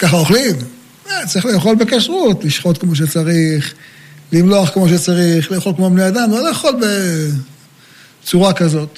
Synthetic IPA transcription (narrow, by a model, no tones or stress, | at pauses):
kaχaoχlim | et͡sʁiχleːχo̞lbekaʃʁut̪liʃχo̞t̪̚kmoʃ̬et͡saʁiχlimloaχkmoʃ̬et͡saʁiχlejχo̞lkmobnead̪amloleːχo̞lbe | t͡suʁakazo̞t̪